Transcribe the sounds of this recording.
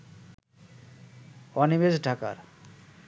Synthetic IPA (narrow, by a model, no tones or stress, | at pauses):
ɔnibed͡ʒɖʱaka̰ɾ